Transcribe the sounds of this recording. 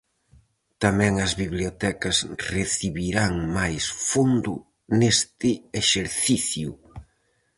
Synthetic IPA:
t̪amɛ̃ŋɐzβiβliot̪ɛkɐsreθiβiɾaŋmajsfund̪ʊ̰ | nest̪ɪeʃeɾθiθju

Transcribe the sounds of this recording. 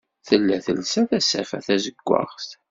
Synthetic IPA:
θəlːæθəlsæθæsæfæ̰θæzəɡ̥ʷːa̰ʁst̪

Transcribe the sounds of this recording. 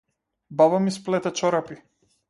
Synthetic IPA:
bavamisplɛt̪ɛt͡ʃɔɾapi

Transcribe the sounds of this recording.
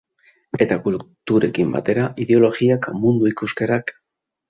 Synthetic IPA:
e̞t̪akult̪uɾe̞̰kimba̰t̪e̞ɾaʔiðeo̞lo̞ɣiakmund̪uikuske̞ɾak

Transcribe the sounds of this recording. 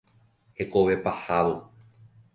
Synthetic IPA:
he̞koʋe̞pahaʋo

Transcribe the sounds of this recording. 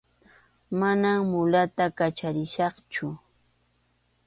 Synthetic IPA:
manammʊlat̪akat͡ʃaɾɪʃɑχt͡ʃʊ

